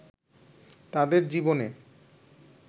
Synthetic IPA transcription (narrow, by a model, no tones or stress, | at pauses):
t̪ad̪eɾd͡ʑibone